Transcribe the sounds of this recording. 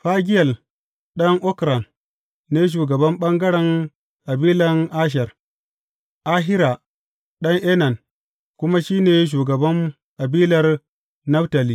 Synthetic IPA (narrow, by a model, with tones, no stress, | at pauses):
ɸa˦ɡʲɪ˦jɐ˨l | ɗɐ˦ŋʔɔ˦kɾa˨n | neː˦ʃ̬uː˨ɡɐ˨bɐ˦mɓɐ˦ŋɡɐ˦ɽɛ˨ŋ | ʔa˨biː˦lɐ˨ŋʔa˦ʃ̬ɛ˨r | ʔa˦ɦɪ˦ɾa˨ | ɗɐ˦ŋʔɛ˦nɐ˨n | kʷʊ˦ma˦ʃiː˦neː˨ʃ̬uː˨ɡɐ˨bɐ˦n | ʔa˨biː˦lɐ˨r | nɐ˦fta˨li˨